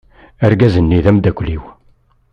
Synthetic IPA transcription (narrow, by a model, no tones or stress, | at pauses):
æɾɡæzənːiðæmd̪ækʷːliw